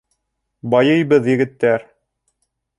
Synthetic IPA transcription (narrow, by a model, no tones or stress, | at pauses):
bɑjɤjbɤðjɘ̆ɡɘ̆t̪ːæɾ